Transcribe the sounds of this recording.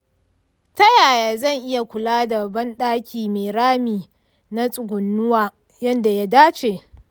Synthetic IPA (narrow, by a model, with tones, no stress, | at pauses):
tɐ˦jaː˨jaː˨zɐ˦˨ŋʔɪ˦ja˨kʷʊ˨laː˦da˨bɐ˦nɗaː˦kʲiː˨meː˨ɽaː˦miː˨ | na˦sʼʊ˨ɡʷʊ˨nːʊ˦waː˦ | jɐ˦nda˨ja˦daː˦t͡ʃeː˨